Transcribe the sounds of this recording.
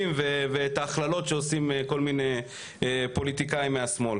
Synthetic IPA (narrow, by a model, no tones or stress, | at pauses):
imvevet̪aːχlalo̞tʃeosimeko̞lmine | po̞lit̪ikaimːeasmo̞l